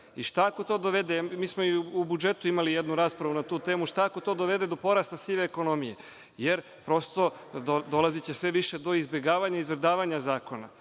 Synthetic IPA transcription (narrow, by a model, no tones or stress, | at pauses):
iʃt̪aako̞t̪o̞ːd̪oʋe̞d̪emiːsmoiubud͡ʒe̞t̪uimalijed̪nuɾaːspɾaʋunat̪uːt̪e̞ːmuʃt̪aako̞t̪o̞ːd̪o̞ʋe̞d̪ed̪o̞po̞ɾast̪asiʋeːko̞no̞mije̞ | jeɾ | pɾo̞st̪o̞ | od̪o̞lˠazit͡ɕesʋe̞ʋiʃe̞d̪o̞izbje̞ɡaːʋaɲaizʋɾd̪aːʋaɲazaːko̞na̰